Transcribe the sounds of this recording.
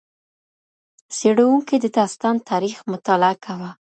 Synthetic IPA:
seɽawuŋked̪əd̪ɑst̪ɑnt̪ʰɑɾixmʊt̪ɑlaakʰawa

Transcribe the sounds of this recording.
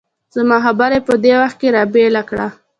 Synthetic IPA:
z̥amɑɦabaɾepəd̪ewaxt̪̚keɾɑbelakɽa

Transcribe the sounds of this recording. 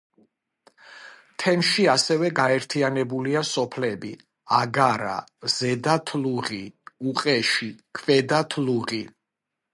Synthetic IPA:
t̪ʰɛmʃiasɛvɛɡaɛɾt̪ʰianɛbuliasɔpʰlɛbi | aɡaɾa̰z̥ɛd̪at̪ʰluʁiuqʼɛʃikʰvɛd̪at̪ʰluʁi

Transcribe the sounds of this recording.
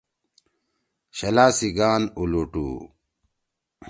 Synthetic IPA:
ɕɐlaːsiɡaːnuluʈṵː

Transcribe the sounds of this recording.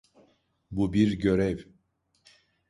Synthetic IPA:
bubiɾɟøɾɛv

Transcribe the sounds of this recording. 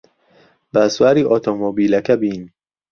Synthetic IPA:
bæsuæɾiːʔɔt̪ʰomobiːlækʰæbin

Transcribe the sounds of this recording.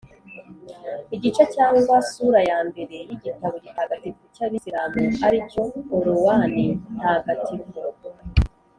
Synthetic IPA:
iɟit͡ʃacaːŋɡwasuɾajaːmbe̞ɾe̞jiɟitaβoɟihaɡatikucaβisiɾamuaɾico̞ːɾuwanin̥haɡatʰibɡo

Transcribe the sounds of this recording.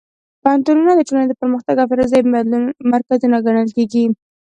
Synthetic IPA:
paant̪ununad̪əʈolaned̪əpəɾməxt̪aɡafɪɾazamaɾkazunaɡaɽ̃əlkeɡi

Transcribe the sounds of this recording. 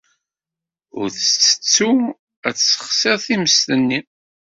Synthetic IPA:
ʊ̰ɾθət͡sːə̥t͡sːu | æt͡sːsə̥χsɪʁθiməst̪ənːi

